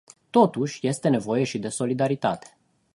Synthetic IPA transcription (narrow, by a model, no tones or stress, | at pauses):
t̪o̞t̪uʃʲje̞st̪e̞ne̞vo̞je̞ʃid̪e̞so̞lid̪aɾit̪at̪e̥